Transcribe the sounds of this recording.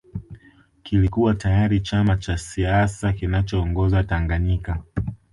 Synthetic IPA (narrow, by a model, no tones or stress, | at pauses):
kilikuwatajaɾit͡ʃamat͡ʃasiasakinat͡ʃɔːŋɡɔzataŋɡaɲika